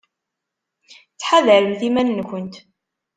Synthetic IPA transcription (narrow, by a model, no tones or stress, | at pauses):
t͡sːħaðəɾəmθimænnkənt̪